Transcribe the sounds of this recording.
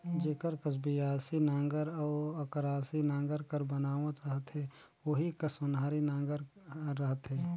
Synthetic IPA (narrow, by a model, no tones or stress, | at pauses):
d͡ʒeːkəɾkəs̬bijaːsinãːŋɡəɾɔːɐkəɾaːsinãːŋɡəɾkəɾbənaːʋət̪ɾəɦət̪ɦɛ | oɦikɐsonɦaːɾinãːŋɡəɾːəɦət̪ɦɛː